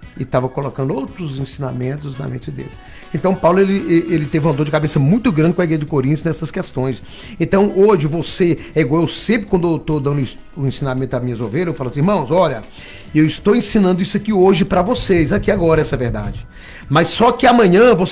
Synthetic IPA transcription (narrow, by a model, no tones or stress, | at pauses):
ɪt̪avɐkolokɐ̃nd̪ʊowt̪ɾʊzẽsĩna̰mẽnt̪ʊznɐ̰mḛ̃nt͡ʃɪd̪ḛlɪs | ẽnt̪ɐ̃w̃pawlʊelɪeʔelɪt̪evɐ̃d̪od͡ʒɪkabesɐmũj̃t̪ʊɡɾɐ̃nd͡ʒɪkõɐiɡɾejʒɐd͡ʒɪkoɾĩnt̪ʊznɛsɐskɛst̪õj̃s | ẽnt̪ɐ̃w̃ʔoʒɪvoseɛiɡwawewsẽpɾɪkwɐ̃nd̪ewt̪od̪ɐ̃nd̪ʊis | ʊẽsĩnamẽt̪ʊamĩɲɐzovelɐzewfalʊɐsĩiɾmɐ̃w̃zɔʎɐ | ewɪst̪owẽsĩnɐ̃nd̪ʊisʊakioʒɪpɾɐvosezakiaɡɔɾɐɛsɐveɾd̪a̰d͡ʒɪ | mɐsːɔkɪamɐ̃ɲɐ̃vos